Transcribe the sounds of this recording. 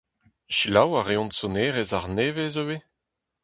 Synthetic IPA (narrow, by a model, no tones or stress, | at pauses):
ʃilawaʁeɔ̃ntsɔneːʁezaʁneːvezowe